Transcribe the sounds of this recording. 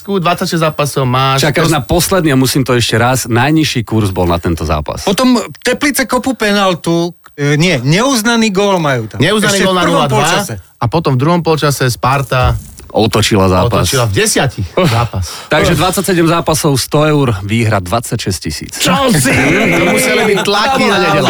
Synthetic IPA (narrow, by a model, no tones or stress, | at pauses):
skud̪ʋat͡sːacʃɛzzaːpasɔʊmaːt͡ʃakanapɔslɛd̪niamusiːmt̪ɔɛʃcɛɾaznajɲiʃiːkuɾzbɔlnat̪ɛnt̪ɔza̰ːpa̰spɔt̪ɔmt̪ɛplit͡sɛkɔpupɛnalt̪uɲɪɛɲɛuznaniːɡɔːlmajuɲɛuznaniɡɔlnaad̪ʋaa | apɔt̪ɔmvd̪ɾuɦɔmpɔlt͡ʃasɛspaɾt̪a | ʔɔt̪ɔt͡ʃilazaːpast͡ʃilavɟɛsɪacixzaːpast̪aɡʒɛd̪ʋat͡sːacsɛɟɛmzaːpasɔʊst̪ɔɛʊɾʋiːɦɾad̪ʋat͡sːacʃɛscisḭːt͡sɔimusɛlibit̪lakiaɛɛl